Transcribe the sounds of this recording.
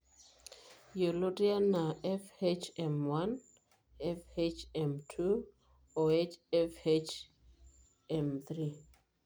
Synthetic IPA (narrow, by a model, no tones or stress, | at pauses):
jolotianaɛfet͡ʃɛ̃mwãn | ɛfet͡ʃɛ̃mtʰu | oet͡ʃɛfet͡ʃ | ɛ̃mθɹi